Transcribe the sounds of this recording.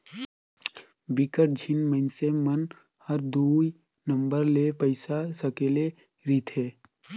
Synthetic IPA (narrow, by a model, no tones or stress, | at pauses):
bɪkəʈ̚d͡ʒʱɪnməɪnsemən | həɾd̪ui | nə̃mbəɾlepəɪsasəkeːle | ɾit̪ʰɦeː